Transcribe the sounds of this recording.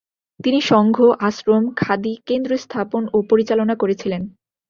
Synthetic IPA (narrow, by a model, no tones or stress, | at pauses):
t̪iniʃɔŋɡʱoʔaʃɾomkʰad̪ikend̪ɾost̪ʰaponopoɾit͡ɕalonakoɾet͡ɕʰilen